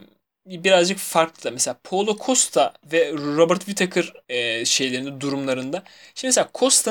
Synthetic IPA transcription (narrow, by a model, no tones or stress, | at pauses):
biɾazd͡ʒɯkfaɾklˠɯd̪amɛselʲaːpʰo̞lˠokʰost̪ʰavɛɾobɯɾt̪vit̪ʰakʰɯɾɛʃe̞jlʲe̞ɾind̪ɛd̪uɾumlˠaɾɯnd̪aʃimɛs̬eaːkʰost̪ʰa